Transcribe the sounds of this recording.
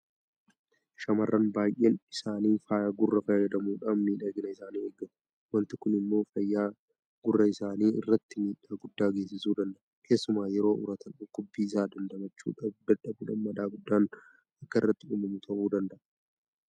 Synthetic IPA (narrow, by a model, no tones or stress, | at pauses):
ʃɐmɐrːɐnbaːjʔeːnɪsaːniːfaːjɡʊrːɐfɐjjɐd̪ɐmuːᶑanmiːᶑɐɡɪnɐɪsaːniːeːɡɐn | wɐnt̪ɪkʊnɪmːo̞ːfɐjːaː | ɡʊrːɐɪsaːniːɪ̰rːɐt̪ːɪmiːᶑaːɡʊd̪ːaːɡe̞ːs̬ɪsuːd̪ɐnd̪ɐʔɐkʰe̞ːsːʊmaːjɛɾo̞ːʔʊ̰ɾɐt̪ʰɐnʊkːʊbːiːɪsaːd̪ɐnd̪ɐmɐt͡ʃːṵːᶑɐbd̪ɐᶑɐbuːᶑɐnmɐᶑ̪aːɡʊd̪ːaːn | ɐkːɐɪrːɐt̪ːɪʊːmɐmʊt̪ʰɐʔuːd̪ɐnd̪ɐʔɐ